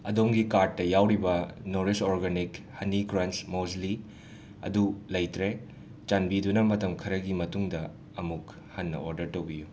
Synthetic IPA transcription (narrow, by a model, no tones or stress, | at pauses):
ɐdomɡikaɾʈ̚ːɐjawɾibɐnoɾesoɾɡanikhɐniɡɾansmosli | ɐ̰dulɐjtɾe | t͡ʃanbidunɐmɐtɐmkʰɐɾɐɡimɐtuŋdɐ | ɐmuk | hɐnːɐ̰oɾdɐɾtɐwbiju